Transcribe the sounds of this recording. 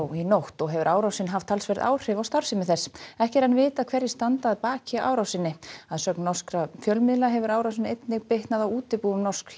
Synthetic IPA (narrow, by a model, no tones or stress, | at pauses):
winowht̪ɔɣɦɛvʏɾʔaːwɾawsɪnɦaft̪ʰalsvɛɾða̰ːwr̥ɪvawst̪aɾ̥sɪmɪθɛsːɛhcɛɾanvɪːt̪akʰvɛɾjɪst̪ant̪aːðpaːcaʔa̰ːwɾawsɪnːɪaðsœknːɔr̥skɾafjœlmɪðlaɦɛvʏɾaːwɾawsɪnejt̪nɪɣpeht̪naðawuːt̪ɪpuːvʏmnɔrsk